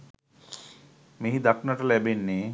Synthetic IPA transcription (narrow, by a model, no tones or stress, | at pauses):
meɦid̪aknaʈɐlɛbenːe